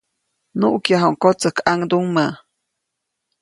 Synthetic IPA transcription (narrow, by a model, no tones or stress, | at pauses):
nuʔkjaɦawŋkot͡səkʰaŋd̪uŋmə